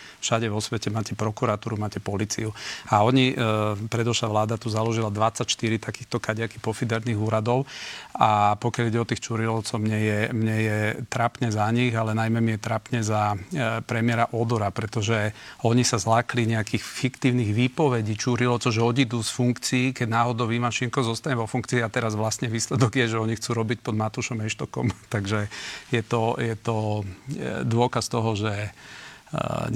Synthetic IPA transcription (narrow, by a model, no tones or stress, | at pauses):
fʃaɟɛʋɔsʋɛcɛmaːcɛpɾɔkuɾat̪uːɾumaːcɛpɔlit͡sḭuaɔɲipɾɛd̪ɔʃaʋlaːd̪at̪uzalɔʒilad̪ʋat͡sːacʃt̪iɾit̪akiːxt̪ɔkaɟakipɔfid̪ɛɾniːɣuːɾad̪ɔʊapɔkɪjaliɟɛɔt̪iːxt͡ʃuːɾilɔt͡sɔʊmɲɛjɛmɲɛjɛt̪ɾapɲɛzaɲiɣalɛnajmɛmijɛt̪ɾapɲɛzapɾɛmɪɛɾaʔɔd̪ɔɾapɾɛt̪ɔʒɛɔɲisazlakliɲɛakiːxfikt̪iːʊniɣʋiːpɔʋɛɟiːt͡ʃuːɾilɔt̪ɔʒɛɔɟid̪usfuŋkt͡siːkɛɟnaːɦɔd̪ɔʋimaʃiŋkɔzɔst̪aɲɛʋɔfuŋkt͡siːat̪ɛɾazʋlasɲɛʋiːslɛd̪ɔɡjɛʒɛɔɲixt͡suːɾɔbic̚pɔd̪mat̪uʃɔmɛʃt̪ɔkɔ̰mt̪aɡʒɛjɛt̪ɔjɛt̪ɔ | d̪ʊɔkast̪ɔɦɔʒɛ